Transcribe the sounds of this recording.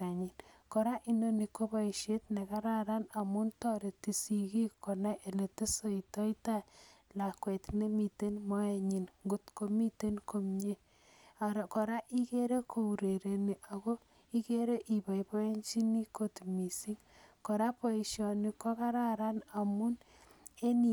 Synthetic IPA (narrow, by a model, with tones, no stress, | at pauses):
ta˨ɲi˨nkɔ˨ɾa˦ʔi˦no˦ni˨ko˦bɔ˦i˨ʃe˦tne˨ka˦ɾa˦ɾa˦na˨mu˦ntɔ˦ɾe˨ti˨si˨ki˦kɔ˨na˦ʔe˨le˨te˦so˦i˨tɔ˦i˦ta˦la˨kwe˨tne˦mi˨te˦nmɔ˦e˦ɲi˨nŋɡu˦tko˦mi˦te˦nko˦mɲe˦ | a˨ɾko˨ɾa˦ʔi˦ke˦ɾe˦kʰo˨u˨ɾe˨ɾe˨ni˨ʔa˨ɡo˦ | i˦ke˦ɾe˦ʔi˨ba˨jpɔ˦e˦ɲt͡ʃi˦ni˦ko˨tmi˨si˦ŋ | ko˨ɾa˦po˦i˨ʃjɔ˨ni˦kɔ˦ka˦ɾa˦ɾa˦na˨mu˦n | e˦ni˨